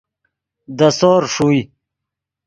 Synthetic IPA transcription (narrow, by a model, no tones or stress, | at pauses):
d̪əsoːɾʂui